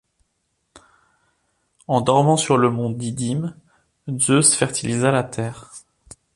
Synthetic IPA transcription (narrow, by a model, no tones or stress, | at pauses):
ɑ̃d̪ɔʁmɑ̃syʁləmɔ̃d̪id̪im | zøsə̥fɛʁt̪ilizalat̪ʰɛːʁ